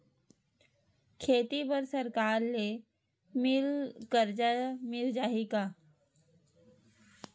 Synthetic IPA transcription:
kʰeːt̪ipəɾsɐɾkaːɾle | mɪlkəɾd͡ʒamɪld͡ʒaːɦikaː

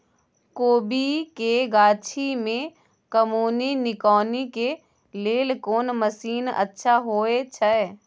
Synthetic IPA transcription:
koːbikeɡaːt͡ʃʰimẽ | kəmoːninɪkɔːnike | leːlkoːnməsiːnə̰tːʃʰaɦoːet͡ʃʰəɛ

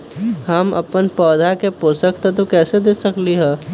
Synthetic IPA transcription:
həmə̰pənpɔːd̪ʱakepoːsəkt̪ɛ̃t̪okɛːsed̪eːsəkliɦɛː

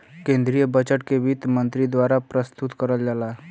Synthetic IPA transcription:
kẽːnd̪ɾijəbət͡ʃəʈkebit̪mə̃nt̪ɾid̪waːɾapɾəst̪ʊt̪kəɾəld͡ʒalaː

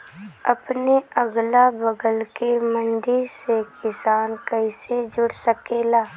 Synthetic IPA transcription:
əpneəɡlabəɡəlkemə̃nd̪ɪɾsekɪsaːnkəɪsed͡ʒʊɽsəkeːlaː

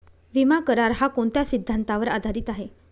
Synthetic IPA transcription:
ʋimakəɾaɾɦakoɳt̪jasid̪ʱːant̪aʋəɾa̰d̪ʱaɾiːt̪aɦe

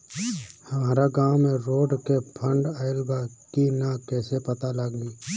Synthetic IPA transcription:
həmaːɾaɡãːwmẽɾoːɖkepʰə̃ɳɖaːɪlɡakinakɛːsepət̪alaɡiː

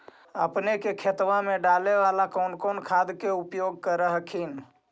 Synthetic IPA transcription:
ə̰pnekekʰet̪ʋãmẽɖaleʋalakɔːnkɔnkʰad̪keupjoɡ̚kəɾəɦkʰin

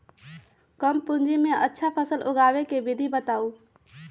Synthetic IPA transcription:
kəmpʊ̃ɲd͡ʒimẽʔətːʃʰapʰəsəlʔʊɡaːʋekeʋɪd̪ʱibət̪aːuː

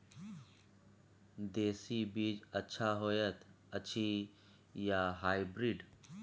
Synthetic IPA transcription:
d̪eːsibiːd͡ʒətːʃʰaɦoːjət̪ | ətːt͡ʃʰi | jaːɦaːibɾiɖ

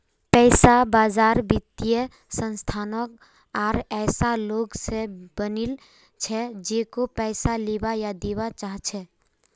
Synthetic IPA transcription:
pɛːsabaːzaːɾbɪt̪ːijə | sə̃nst̪ʰaːnək | ɔːɾɛːsaloːɡsebənil | t͡ʃʰɛd͡ʒeːkopɛːsaleːbajad̪eːwat͡ʃaːɦt͡ʃʰɛ

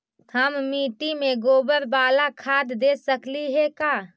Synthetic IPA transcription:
həmmiːʈimẽɡoːbəɾbaːlakʰaːd̪ːeːsəkliɦɛkaː

